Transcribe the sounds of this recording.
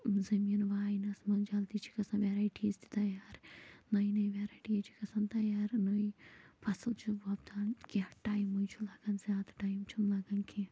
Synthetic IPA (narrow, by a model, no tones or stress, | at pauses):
zɐmiːnʋaːjnɐsmɐnd͡ʒalt̪it͡ʃʰi̥kɐsɐ̃nʋeɾaːjʈʰist̪i̥t̪ɐjaːɾnɐjnɐjʋeːɾaːjʈiɐt͡ʃʰi̥kɐsɐnt̪ɐjaːɾnojpʰɐsɨlt͡ʃʰubɐbt̪ankiɐʈaːjmujt͡ʃʰulɐɡɐnzaːd̪ʈaːjmt͡ʃʰunlaɡɐnkʰi